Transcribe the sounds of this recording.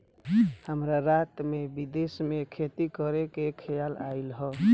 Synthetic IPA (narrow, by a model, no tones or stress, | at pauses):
həmɾaɾat̪mebid̪esmekʰet̪ikəɾekekʰəjalailɦə